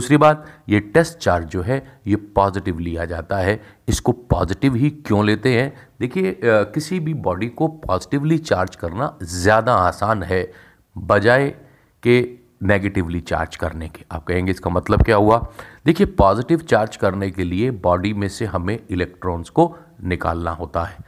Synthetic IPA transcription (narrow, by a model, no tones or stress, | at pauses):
d̪uːsɾibaːt̪jeʈɛsʈ̚t͡ʃaːɾd͡ʒd͡ʒoːɦɛjepɔːzɪʈɪʋlijad͡ʒa̰ːt̪aɦɛ | ɪskopɔ̰ːzɪʈɪʋɦikjõleːt̪eɦɛ̃d̪eːkʰiekɪsibʱibɔːɖikopɔːzɪʈɪʋlit͡ʃaːɾd͡ʒkɐɾnazjaːd̪aaːsaːnɦɛ | bɐd͡ʒaːe | ke | neːɡeːʈɪʋlit͡ʃa̰ːɾd͡ʒkɐɾneke̥a̰ːp̚kɐɦẽːŋɡeɪskamɐt̪ləbkjaːɦuad̪eːkʰijepɔːzɪʈɪʋt͡ʃaːɾd͡ʒkɐɾnekeliebɔːɖimẽseɦɐmẽɪlɛːk̚ʈɾɔ̃ːnzko | nɪka̰ːlnaɦoːt̪aɦɛː